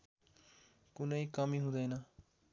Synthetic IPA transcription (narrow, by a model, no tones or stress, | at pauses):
kʊneiːkamĩːɦʊ̃nd̪anaː